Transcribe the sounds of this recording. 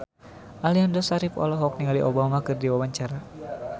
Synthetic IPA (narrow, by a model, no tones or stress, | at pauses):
ʔaliandɔsaɾifɔ̰lɔɦɔk̚niŋaliʔobamakɨrdiwawaɲt͡ʃaɾa